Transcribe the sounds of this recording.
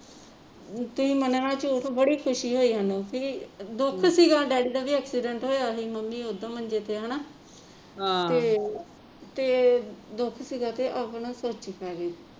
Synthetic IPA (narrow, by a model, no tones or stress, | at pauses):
t̪ʊsĩːməneːʋəːɽãːt͡ʃot̪ʰobəɽiːkʰʊʃiːɦoːiːɦənopʰɪd̪ʊkʰsiːɡaːɖɛːɽiːd̪aːʋiːəksiɖə̃ɳʈɦoːjaːɦiːməmːiːod̪ãːmənd͡ʒeːt̪eːɦənaː | eː | t̪eːd̪ʊkʰsiːɡaːt̪eːʔapɳaːsoːt͡ʃəkɛːɡeː